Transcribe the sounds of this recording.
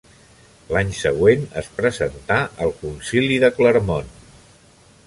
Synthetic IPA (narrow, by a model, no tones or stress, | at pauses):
laɲsəɣwenə̰spɾəzənt̪aʔəlˠkunsiliðəkləɾmon